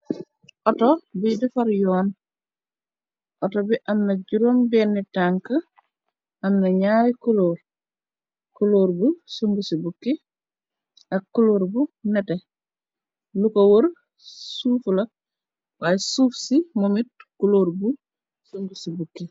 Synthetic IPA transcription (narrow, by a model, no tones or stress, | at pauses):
ʔɔtɔbidifɐɾjɔːn | ʔɔtobiʔɐmnɐɟuɾombɛnːitaŋkə | ʔɐmnɐɲaːɾikuloːɾ | kuloːɾbusuŋɡusibukːi | ʔɐkːuloːɾbunɛtɛ | lukowoɾ | suːfulɐ | waːjɛsuːfsimomit̚kuloːɾbu | suŋɡusibukːi